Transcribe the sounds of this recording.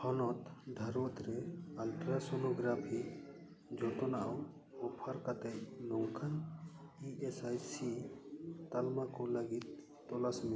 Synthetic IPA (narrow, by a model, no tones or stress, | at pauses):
hɔnɔt̪d̪ʱaɾot̪ɾɛalʈɾasonoɡɾapʰi | d͡ʒɔt̪ɔnaw | ɔpʰaɾkat̪ɛnɔŋkʰaniesajsi | t̪almakɔləɡit̪̚ː | ɔlasmi